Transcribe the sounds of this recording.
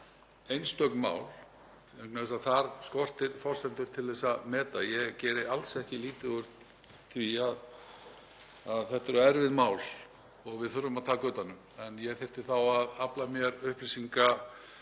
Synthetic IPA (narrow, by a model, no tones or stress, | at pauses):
ejnst̪œknma̰ːwl | ɛknaɛs̬aðθaɾskɔr̥t̪ɪɾfɔr̥sɛnt̪ʏɾ̥t̪ʰɪlðɛsːaðmɛːt̪ajɛɣcɛːɾɪalsɛhcɪliːt̪ʏɣʏɾ | θviað | aðθɛht̪ɛɾɔɛɾvɪðmaːwl | ɔɣvɪðθʏɾʏmaðt̪ʰaːkœːt̪anːʏm | ɛnjɛɣθejft̪ɪ̥θawaðaplamjɛɾʏhplisiŋka